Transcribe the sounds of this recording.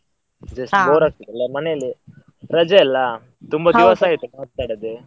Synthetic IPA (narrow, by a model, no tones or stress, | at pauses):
d͡ʒɐsʈboɾak̚t̪id̪ɐlamɐneli | ɾɐd͡ʒɐɛlːa | t̪umbad̪iʋəsaɦit̪umat̪ːaɽəd̪e